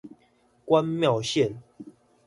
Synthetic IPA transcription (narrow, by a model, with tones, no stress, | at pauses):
kwa˦nmja˥˨ʊɕjɛ˥˨n